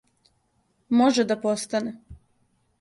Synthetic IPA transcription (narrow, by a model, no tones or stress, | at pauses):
moʒed̪apost̪ane